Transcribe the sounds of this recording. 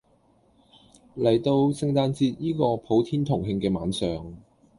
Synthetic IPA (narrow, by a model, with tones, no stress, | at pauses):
lɐ˨˩jt̪o˧wsɪ˧ŋt̪aː˧nt͡siː˧t̚jiː˥kɔː˧pʰo˨˥wt̪ʰiː˥nt̪ʰʊ˨˩ŋhɪ˧ŋkɛː˧maː˨˥nsœː˨˩ŋ